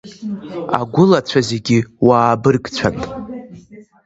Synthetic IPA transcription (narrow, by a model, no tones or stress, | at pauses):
a̰ɡʷʊlat͡ɕʷʰazeɡʲɪwaːbɨrɡt͡ɕʷʰantʼ